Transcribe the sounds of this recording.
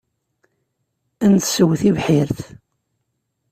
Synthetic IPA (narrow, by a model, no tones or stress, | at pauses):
ænt̪səwːθivħiɾθ